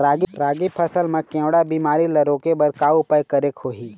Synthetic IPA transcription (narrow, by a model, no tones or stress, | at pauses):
ɾaːɡɾaːɡipʰəsəlmẽkẽːwɽabiːmaːɾilɐɾoːkebɐɾkaːupəjkəɾekhoːɦiː